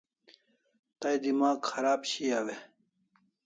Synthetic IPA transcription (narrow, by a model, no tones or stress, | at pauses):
t̪ɐjd̪imaːkxɐɾaːbɕiawe